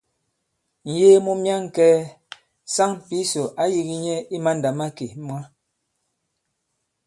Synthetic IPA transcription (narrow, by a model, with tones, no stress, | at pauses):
n̩˨jeː˦mu˦mja˦ŋ˨kɛː˦ | sa˦ŋ˨pi˦so˨ʔa˨˦ji˦ɣi˦ɲɛ˦i˦ma˦n˨da˨ma˦ke˨mwa˦